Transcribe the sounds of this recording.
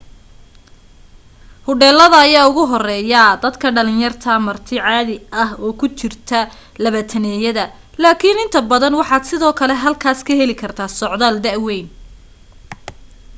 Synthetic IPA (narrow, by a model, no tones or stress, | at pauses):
hʊɖɛːlːɐðɐːjaːʊɣʊɦɔrɛːjɐd̪ɐd̪kʰɐɖɐlɪnjɐrt̪ʰɐmɐrt̪ʰɪʕɑːðɪʔɐhɔːkʰʊt͡ʃɪrt̪ʰɐ | lɐβɐt̪ʰɐnɛːjɐðɐ | laːkʰinɪnt̪ʰɐbɐðɐnwɑħɑːd̪sɪðɔːkʰɐlɛɦɐlkʰaːskʰɐɦɛlɪkʰɐrt̪ʰaːsɔʕd̪aːld̪ɐʔwɛjn